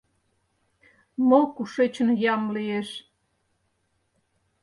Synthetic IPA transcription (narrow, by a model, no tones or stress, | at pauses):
mokuʃet͡ɕənjɑmlieʃ